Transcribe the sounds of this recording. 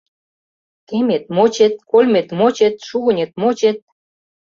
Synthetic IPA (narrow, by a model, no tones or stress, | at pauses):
kemet̪̚mot͡ɕet̪̚kolʲmet̪mot͡ɕet̪ʃuɣə̆nʲet̪̚mot͡ɕet̪̚